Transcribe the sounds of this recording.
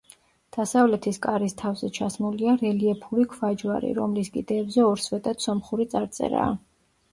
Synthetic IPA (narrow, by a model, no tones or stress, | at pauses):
d̪̥asavlɛt̪ʰiskʼaɾist̪ʰavzɛt͡ʃʰasmuliaɾɛliɛpʰulikʰvad͡ʒwaɾḭɾɔmliskʼḭd̪ɛːbzɛɔɾsvɛt̪ʼat̪sɔmχuɾit̪sʼaɾt̪sʼɛ̰ɾa̰ː